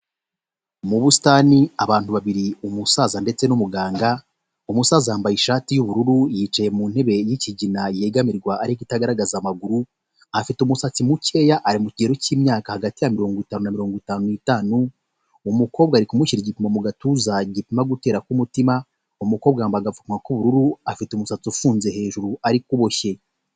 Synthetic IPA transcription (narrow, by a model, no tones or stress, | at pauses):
muβusi̥taniaβaːnthuβaβiɾiumusaːzande̞t͡se̞numuɡaːŋɡa | umusaːzajaːmbajiʃaːtijuβuɾuɾujit͡ʃajemuːn̥he̞βe̞jiciɟinajeːɡamiɾɡwaʔːɾicitaɡaɾaɡazamaɡuɾu | afitumusat͡simuce̞ːjaʔaɾimuciɟeɾociːmɲaːkahaɡatijamiɾo̞ːŋɡitaːnunamiɾo̞ːŋɡwitaːnuitaːnuː | muko̞βɡaɾikumuçiɾiɟipimamuɡatuzaɟipimaɡute̞ːɾakumutima | umukoβɡaːmbaɡafu̥kmakuβuɾuɾuafitumusat͡siufuːnze̞he̞ːʒuɾuaɾikuβo̞çe̞